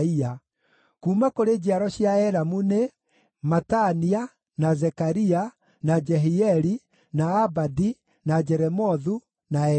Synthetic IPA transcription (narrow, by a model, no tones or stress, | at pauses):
ia | kuːmakoɾed͡ʑiaɾɔɕjaɛɾamune | matania | nazɛkaɾia | nad͡ʒɛɦiɛɾi | naːbadi | nad͡ʒɛɾɛmɔðu | naɛ